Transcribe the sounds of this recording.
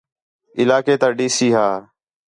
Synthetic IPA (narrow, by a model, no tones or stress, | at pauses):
ɪlaːkeːt̪aːɖiːsiːɦaː